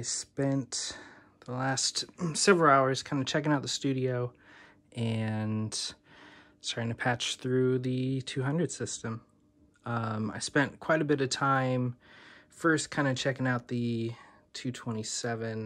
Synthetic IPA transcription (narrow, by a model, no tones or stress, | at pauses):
ɪspɛ̃nt̪ | ðəlæstsɛvɹl̩ˠaʊə˞z̥kʰãɪ̃ndɨt͡ʃʰɛkɪ̃ŋaʊt̪̚ðəstʉɾioʊ | ʔɨ̃n | stɑɹɾɪ̃ŋtʰɨpʰæt͡ʃθɹʉðɨtʰʉɦʌ̃ndɹɨd̥sɪstɨ̃m | ʌ̃maɪspɛ̃nkʰw̥aɪɾɨbɪɾʌv̥tʰãɪ̃mfɜ˞skʰãɪ̃ndɨt͡ʃʰɛkɪ̃ŋaʊt̪̚ðɨ | tʰʉtʰw̥ɛ̃ɾ̃isɛvɨ̃n